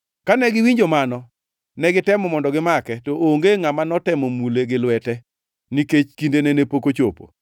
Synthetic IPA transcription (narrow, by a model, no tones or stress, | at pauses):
kanɛɡɪwiɲd͡ʒomanɔ | nɛɡɪtɛmɔmɔndɔɡɪmakɛtɔʔoŋɡeŋamanɔtɛmomuleɡɪlwɛtɛ | niket͡ʃkindenenepokot͡ʃopo̰